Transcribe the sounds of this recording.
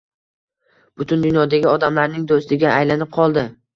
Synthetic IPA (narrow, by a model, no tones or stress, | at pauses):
b̥ʊt̪ʰʊnd̪ʊnjɒd̪aɡʲɪɒd̪amlaɾnɪŋd̪ost̪ɪɡʲaʔːjlanɪp̚qʰɒlˠd̪ɪ